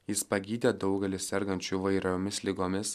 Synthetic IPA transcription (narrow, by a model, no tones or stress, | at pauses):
jɪspɐɡʲiːd̪ʲeːd̪ɒʊɡʲɛlʲɪsʲsʲɛɾɡɐnʲt͡ʃʲuʋɐɪɾoːmʲɪslʲɪɡoːmʲɪs